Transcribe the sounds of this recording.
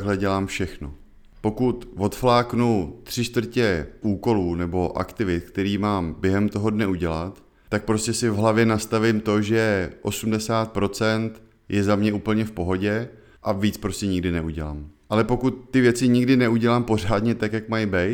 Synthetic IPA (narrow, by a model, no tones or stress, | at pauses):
ɡɦlɛɟɛlaːmfʃɛxno | po̞kut̪vo̞t̪flaːknut̪r̝̥ɪʃt̪vr̩cɛʔuːko̞luːnɛbo̞ʔa̰kt̪ɪvɪt̪̚kt̪ɛɾiːmaːmbjɛɦɛmt̪o̞ɦo̞dnɛuɟɛlat̪ | t̪ːak̚pɾo̞scɛsɪvɦlavjɛnast̪avɪmt̪o̞ʒɛʔo̞sumdɛsaːt̪̚pɾo̞t͡sɛnt̪ | jɛzamɲɛʔuːpl̩ɲɛfpo̞ɦo̞ɟɛ | ʔaviːt͡spɾo̞scɛɲɪɡdɪnɛʔuɟɛla̰ːmʔalɛpo̞kut̪ːɪvjɛt͡sɪɲɪɡdɪnɛuɟɛlaːmpo̞r̝aːdɲɛt̪akjakmajbɛj̪